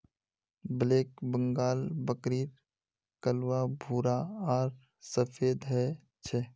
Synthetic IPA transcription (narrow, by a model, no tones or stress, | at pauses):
bleːk̚bə̃ŋɡaːlbəkɾiːɾ | kəlwabʱuːɾaaːɾ | səfʰeːd̪ɦɛ | t͡ʃʰeː